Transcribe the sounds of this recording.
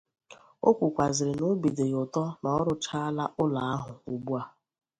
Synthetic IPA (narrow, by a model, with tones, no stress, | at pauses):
o˦kʷu˨kʷa˨zɪ˨ɾɪ˨no˦bi˨de˨jʊ˨tɔ˦na˨ɔ˦ɾʊ˦t͡ʃa˦la˦ʔʊ˦la˨a˦ɦʊ˨u˨ɡ͡bu˦a˦